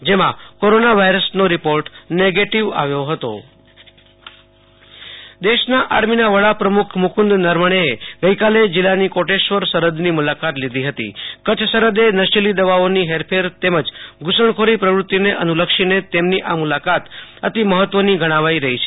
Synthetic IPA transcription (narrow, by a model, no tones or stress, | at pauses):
d͡ʒemã̰koɾonaʋaiɾəsnoɾipoɾʈneɡeʈiʋa̰ʋjoɦət̪o̰ | d̪eʃnaʔaɾminaʋəɭapɾəmukʰmʊkʰʊnd̪nəɾməɽ̃eeɡəjkaled͡ʒilːanikoʈeʃʋəɾsəɾəd̪nimulakat̪lid̪ʱiɦət̪ḭkət͡ʃʰsəɾəd̪enəʃilid̪əʋaoniɦeɾpʰeɾt̪eməd͡ʒɡʊsəɳkʰoɾipɾəʋɾʊt̪ːineʔənuləkʃinet̪emniʔamulakat̪ət̪iməɦət̪ʋəniɡʱəɽ̃aʋaiɾəɦit͡ʃʰe̥